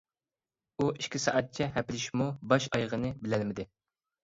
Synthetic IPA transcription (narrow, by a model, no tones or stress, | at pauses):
uiʃkʲisɑ̰ʔɑt̪̚t͡ʃʰɛɦɛpɪlɪʃmubɑʃɑjʁənɨbɪlɛlmɪd̪ɪ